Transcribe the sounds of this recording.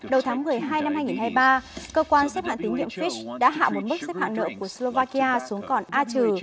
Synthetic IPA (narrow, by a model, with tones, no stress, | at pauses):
ɗə˨˩wt̪ʰːŋmɨ˨˩əjɦaː˧jna˧mhaː˧jŋi˨˩nhaː˧jɓaː˧kəː˧kwaː˧nsɛ˦˥ha̰˧˨t̪i˨˦ŋɲḭ˧˨əmfi˦˥t͡ɕɗa̰ː˧˥ɦa̰ː˧˨ɓo˨˦nmɨ˦˥k̚sɛ˦˥p̚ha̰˧˨ŋnə̰˧˨ku˧˩əslo˧vaː˧ki˧aː˧su˨˦əŋkɔ˨˩nʔaː˧t͡ɕɨ˨˩